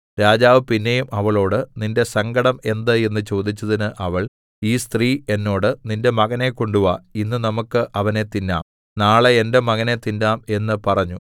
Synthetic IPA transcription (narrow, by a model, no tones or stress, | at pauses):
ɾaːd͡ʑaːʋɨpinːe̞jumɐʋɐɭo̞ːɽɨninde̞sɐŋɡɐɽɐme̞nd̪ɨe̞nːɨt͡ɕo̞ːd̪it͡ɕːɐðinɨʔɐʋɐɭ | iːst̪riːe̞nːo̞ːɽɨninde̞mɐɣɐne̞ko̞ɳɖuʋɐinːɨnɐmukːɨʔɐʋɐne̞t̪inːa̰ːm | naːɭeende̞mɐɣɐne̞t̪indaːme̞nːɨpɐrɐɲːu